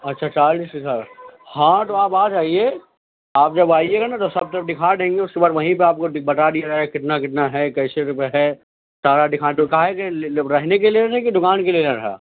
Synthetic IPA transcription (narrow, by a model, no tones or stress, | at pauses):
ɐtːʃʰat͡ʃaːɾd͡ʒisisaːɾhãt̪oaːpaːt͡ʃaːɦie | aːp̚d͡ʒɐbaːieɡanat̪osɐb̚t̪ɐɾəfd̪ɪkʰaːd̪ẽːŋɡeʊskebaːɾʋɐɦĩpeaːp̚kobɐʈad̪iad͡ʒaːekɪt̪nakɪt̪naɦɛkɐɪseɾpɦɛ | saːɽad̪ɪkʰaːt̪okaɦɛkeɾɛɦnekelieɾɦɛ̃ked̪ʊkaːnkelieaɾɐɦa̰ː